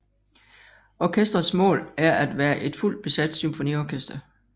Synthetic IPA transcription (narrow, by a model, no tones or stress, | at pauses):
ɒːkʰesd̥ɐsmɔ̰̽ːlæɐʔæd̥ʋæːɐʔe̝d̥ful̰d̥̚b̥e̝sæd̥symfo̝nḭːɒkʰesd̥ɐ